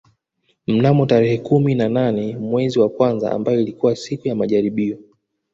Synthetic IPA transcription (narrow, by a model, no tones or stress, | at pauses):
m̩namɔtaɾɛhɛkuminananɛmwɛziwakwanza̰a̰mbajɔilikuwasikujamaʄaɾiɓiɔ